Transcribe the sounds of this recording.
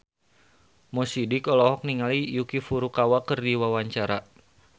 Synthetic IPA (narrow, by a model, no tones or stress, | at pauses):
mɔsidikɔlɔɦɔk̚niŋalijukifuɾukawakɨrdiwawaɲt͡ʃaɾa